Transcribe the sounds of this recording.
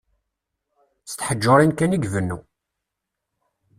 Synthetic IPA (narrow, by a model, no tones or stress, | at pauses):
st̪ħəd͡ʒːoɾˤinkæniɡvənːṵ